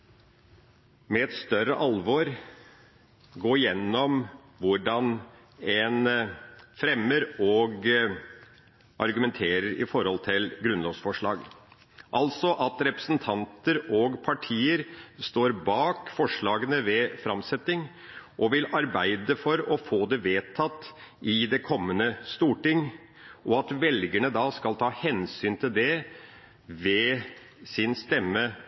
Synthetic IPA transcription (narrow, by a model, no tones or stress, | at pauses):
mɛɛt̪st̪œɾəʔɑlʋɔɾ | ɡoːɾjɛnːɔm | ʋʊɖɑn | ɛn | fɾɛmːəɾɔɡ | ʔɑ̰ɾɡʉmɛnt̪ʰeːɾəɾɪ̰fɔɾhɔlt̪ʰɪlɡɾʉnloːsfɔʂɭɑ̰ːɡ | ʔɑlsɔʔɑt̪ɾɛpɾə̥sn̩t̪ʰɑnt̪əɾɔɡpʰɑʈʰiːəɾst̪oːɾbɑːkfɔʂɭɑːɡənəʋɛfɾɑmsɛt̪ːɪŋ | ʔɔʋɪlɑɾbæɪd̪əfɔɾɔfoːd̪ɛʋeːt̪ʰːɑt̪ː | ʔɪd̪ɛkʰɔmːənəst̪uːʈɪŋ | ʔɔɑt̪ʋɛlɡəɳəd̪ɑskɑlt̪ʰɑːhɛnsyːnt̪ʰɪld̪ɛ | ʋɛ | sɪnst̪ɛmːə